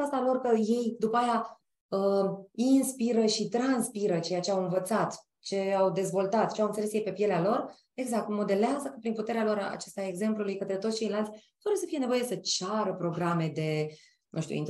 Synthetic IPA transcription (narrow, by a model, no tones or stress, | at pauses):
ast̪alo̞rkəje̞jd̪upaaja | əinspiɾəʃit̪ɾanspiɾət͡ʃe̞jat͡ʃe̞awɨnvət̪sat̪ | t͡ʃe̞awd̪e̞zvo̞lt̪at̪t͡ʃeawɨnt̪elesjejpe̞pje̞lealo̞r | e̞ɡzak̚t̪mo̞d̪e̞leazəkəpɾinput̪e̞ɾealo̞ɾa̰t͡ʃest̪aeɡze̞mplulujkət̪ɾe̞t̪ot̪sʲt͡ʃe̞jlalt̪sʲt̪abesəfije̞ne̞vo̞je̞sət͡ʃaɾəpɾo̞ɡɾame̞d̪e̞ | nʔṵʃt̪ʲṵin